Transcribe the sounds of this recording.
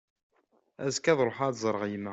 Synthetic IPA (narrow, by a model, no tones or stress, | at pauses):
æzkæðˤɾˤoħad̪zˤəɾˤəʁjmæ